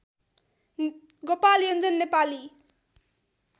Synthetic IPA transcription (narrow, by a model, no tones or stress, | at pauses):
ɡopalijʌnd͡zʌnːepali